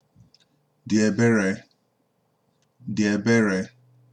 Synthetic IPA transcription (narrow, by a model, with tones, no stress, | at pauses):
dɪ˨e˨be˦ɾe˨ | dɪ˨e˨be˦ɾe˨